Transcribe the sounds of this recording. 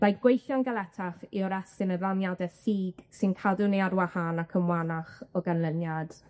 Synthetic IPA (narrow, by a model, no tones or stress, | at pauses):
majɡ̥wejθjanɡalˠɛtʰaχiɔɾɛsɪnəvanjadɛsiːɡ̥sɪnkʰadʊneadwahanakʰəmwanaχɔɡanlˠənjad̥